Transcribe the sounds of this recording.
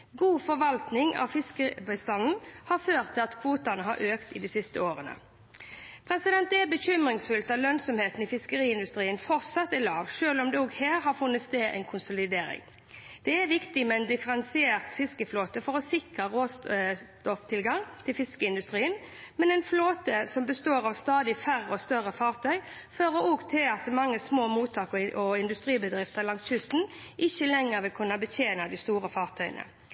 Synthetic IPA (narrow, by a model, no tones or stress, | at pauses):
ɡuːfɔɾʋɑlt̪nɪŋɑ̰ʋfɪskəbəst̪ɑnn̩hɑɾføːʁt̪ʰːɪlɑt̪kʰʋuːt̪ɑnəɦɑ̰ɾʔøːkt̪ɪd̪isɪst̪əoːɾənə̰ | pʰɾɛsɪd̪ɛnt̪̚d̪ɛɛbəçʏmʁɪŋsfʉlt̪ɑʋlœnsɔmheːt̪n̩ɪfɪskəɾiːɪnd̪ʉst̪ɾiːənfɔʁt̪sɑt̪ːɛlɑːʋʂøːlɔmd̪ɛɔːɡheːɾhɑfʉnːət̪st̪eːd̪ʔɛ̰nkʰʊnsʊlɪd̪eːɾɪ̰ŋ | d̪̥ɛæʋɪkt̪ɪmɛɛnd̪ɪfəɾɛnsɪeːʁt̪fɪskəfloːt̪əfɔɾɔsɪkʁɑʁoːst̪ɔft̪ʰɪlɡɑŋt̪ʰɪlfɪskəɪnd̪ʉst̪ɾiːən | mɛnɛɪnfloːt̪əsɔmbəst̪oːɾɑʋst̪ɑːd̪ɪfæɾəɔst̪œɾəfɑːʁt̪ʰœʏ | føːɾəɾɔɡt̪ʰɪlɑt̪mɑŋːəsmoːmuːt̪ʰɑːkɔɪnd̪ʉst̪ɾiːbəd̪ɾɪft̪əlɑŋsçʉst̪n̩ʔɪçːəlɛŋːəɾʋɪlkʰʉnːɑbətʰeːnɑd̪ɪst̪uːɾəfɑːʁt̪ʰœʏə̰nə̰